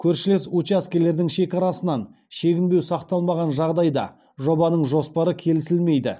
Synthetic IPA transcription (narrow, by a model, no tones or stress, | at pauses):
kʲʰɵɾʃɪlesut͡ʃæskʲe̞ɾle̞ɾd̪ɪŋʃe̞kʲɑɾɑsənɑn | ʃe̞ɡʲɪnbe̞wsɑqt̪ɑlˠmɑʁɑnʒɑʁd̪ɑjd̪ɑ̰ | ʒo̞bɑnəɴʒo̞spɑɾəkʲʰe̞lɪsɪlme̞jd̪ɪ